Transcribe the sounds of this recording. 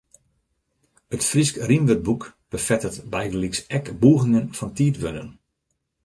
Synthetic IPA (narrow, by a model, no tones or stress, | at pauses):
ətfriskrimʋøt̚bukb̥əfɛtətbɛjdəliksɛkbuːɣɪŋənfɔntiːtʋønən